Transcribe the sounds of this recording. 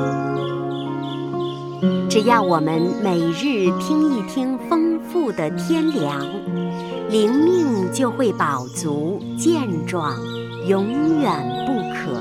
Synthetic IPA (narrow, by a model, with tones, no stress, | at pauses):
ʈ͡ʂɻ̩˨˩jɑ˥˩ʊwɔ˨˩mə˦nme˨˩ɪɻɻ̩˥˩t̪ʰi˥ŋi˥˩t̪ʰi˥ŋfɤ˥ŋfu˥˩d̪ə˩t̪ʰjɛ˥nljɑ˧˥ŋ | li˧˥ŋmi˥˧ŋt͡ɕjo˥˧ʊxwe˥˩ɪpɑ˨˩ʊt͡su˧˥ | t͡ɕjɛ˥˧nʈ͡ʂwɑ˥˩ŋ | jʊ˧˥ŋjɛ˨˩npu˥˩kʰɤ̰˨˩˦